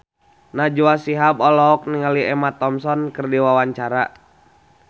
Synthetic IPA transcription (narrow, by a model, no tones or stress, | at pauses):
nad͡ʒuasiɦabɔlɔɔk̚niŋaliɛmat̪ɔmsɔnkɨrdiwawaɲt͡ʃaɾa̰